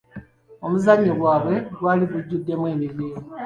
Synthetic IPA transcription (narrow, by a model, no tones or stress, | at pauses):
omuzaɲoβwaːβwe̞lwaliβuɟːudːe̞mweːmiliːni